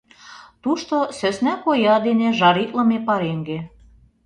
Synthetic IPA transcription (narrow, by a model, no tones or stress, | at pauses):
t̪uʃt̪osøsnækojɑd̪eneʒɑɾit̪lɤ̆mepɑɾeŋɡe